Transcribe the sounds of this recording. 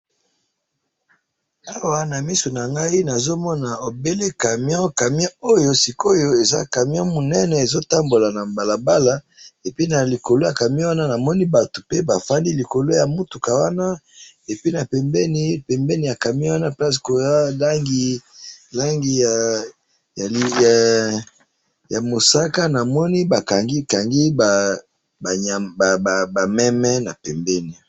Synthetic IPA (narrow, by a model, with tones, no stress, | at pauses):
a˦wa˨na˨mi˦so˨na˨ŋɡa˦i˦na˨zo˦mɔ˦na˨o˨be˦le˦ka˨m˦ɔ̃˦ka˨mjɔ̃˦o˦jo˦si˨ko˦jo˦e˨za̰˦ka˨mjɔ̃˦mo˨nɛ˦nɛ˨e˨zo˦ta˦mbo˨la˨na˨mba˨la˨ba˦la˦ | e˨pi˦na˨li˨ko˨lo˦ja˨ka˨m˦ɔ˦wa˦na˦na˨mɔ˦ni˦ba˨to˨pe˦ba˨fa˦ndi˦li˨ko˨lo˦ja˨mu˦tu˨ka˨wa˦na˦ | e˨pi˦na˨pɛ˨mbɛ˦ni˦pɛ˨mbɛ˦ni˨a˨ka˨mi˦wa˦na˦pɛ˦sko˨a˦la˦ŋɡi˦la˦ŋɡi˨ | ja˨li˨ja˨ | ja˨mo˨sa˦ka˦na˨mɔ˦ni˦ba˨ka˨ŋɡi˦ka˨ŋɡi˦ba˨ | ba˨a˨ba˨mɛ˦mɛ˦na˨pɛ˨mbɛ˦ni˨